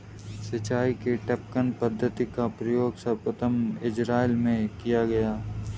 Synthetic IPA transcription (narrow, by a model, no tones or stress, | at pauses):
sɪt͡ʃaːikeʈɛp̚kənpəd̪ʱːət̪ikapɾɐjoːɡsɐbpɾət̪ʰəmɪd͡ʒɾaːɪlmẽkijaɡɐjaː